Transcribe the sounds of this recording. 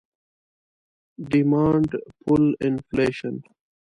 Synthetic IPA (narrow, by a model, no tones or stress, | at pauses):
ɖimãːɳɖpʰʊlɪnfleːʃə̃n